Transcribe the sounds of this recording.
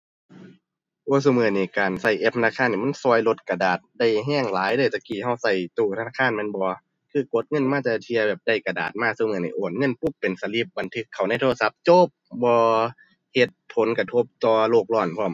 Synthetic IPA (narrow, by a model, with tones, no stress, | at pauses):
ʔoː˧˩˨s̬uː˧˨mɯː˧˩niː˧˩kaː˨˩nsa˧˩jʔe˧p̪̚ʰa˧naː˧˥˩kʰa˧˥˨nːiː˧˩m˧˥˨nsuː˧ə˨jlo˧˦t̪̚ka˨daː˨˩t̪̚da˧˩jɦɛː˧˥˩ŋlaː˨˦jdɤː˧˩˨jt̪a˧˩kiː˨˩ha˧˩wsa˧˩jt̪uː˧˩t̪ʰa˧naː˧˥˩kʰaː˧˥˨nma˧˥˨nbɔː˧ | kʰɯː˧˩ko˧˦t̪̚ŋɤ˧˥˨nmaː˧˥˨t̪a˧˩t̪ʰi˧ɐbɛː˨˩p̚da˧˩jka˨˩da̰ː˨˩t̪̚maː˧˩˨su˧˩mɯː˧˩˨nḭ˧˩ʔoː˨˩n̚ŋɤ˧˥˨npu˧˩˨pːe˨nsa˧li˧˥p̚ba˨nt̪ʰɯ˧˥kʰːa˨˩wna˧˥˨t̪ʰoː˧sa˧˦p̚t͡ɕo˧˥˨p̚bɔː˧ | he˧t̪̚pʰːo˨˦nka˧t̪ʰo˧˥p̚t̪ɔː˧loː˧˩k̚lɔː˧˩˨npʰɔː˧˩˨m